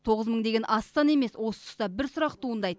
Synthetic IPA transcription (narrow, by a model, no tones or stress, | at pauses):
t̪ʰo̞ʁəzməɴd̪e̞ɡʲenʔɑst̪ɑne̞me̞swʔo̞sə̥t̪ʰʊ̥st̪ɑbɪɾsʊɾɑqtt̪ʰuənd̪ɑjt̪ə